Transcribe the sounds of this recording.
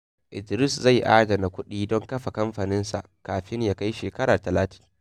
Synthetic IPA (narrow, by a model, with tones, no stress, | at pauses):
ʔɪ˨d͡ʒɾɪ˦˨sza˦˨jʔa̰ː˦dɐ˨na˨kʷʊ˦ɗiː˦dɔ˦ŋkɐ˦ɸa˨kɐ˦mɸaː˨nɪ˦nsa̰˨ʔkaː˨ɸɪ˦ɲjaː˨ka˦jʃeː˨kɐ˦ɽaː˨tɐ˨laː˦ti̥˦